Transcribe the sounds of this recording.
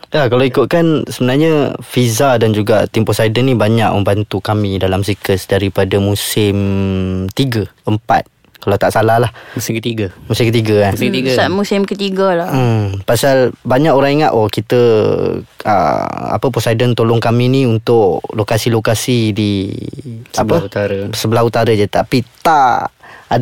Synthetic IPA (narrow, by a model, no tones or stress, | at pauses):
jakalawikʊt̪̚kansəbənaɲəfizadand͡ʒuɡa̰t̪impɔsajdənibaɲaʔ̚məmbant̪ukamidalamsikəsdaɾipadamusɪmt̪iɡəəmpa̰t̪̚ | kalat̪aʔsalahlahusɪkət̪iɡəmusɪmkət̪iɡəansɡamusɪmkət̪iɡəlapasalbaɲakoɾaŋiŋat̪ɔkit̪ə | ə̰a̰pəposajdənt̪olɔŋkaminiunt̪ʊʔlokasilokasidi | abət̪aɾsəbəlaɦut̪aɾəd͡ʒat̪apit̪aʔa